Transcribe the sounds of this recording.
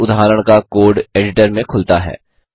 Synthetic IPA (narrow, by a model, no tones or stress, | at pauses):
ʊd̪ɦaːɾəɽ̃kakoːɖeːɖɪʈəɾmẽkʰʊlt̪aɦɛ̰ː